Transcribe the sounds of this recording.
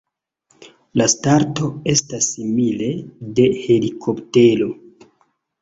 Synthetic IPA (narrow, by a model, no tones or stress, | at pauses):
lastaɾto̞e̞stasːimile̞de̞he̞likʰo̞pte̞lo̞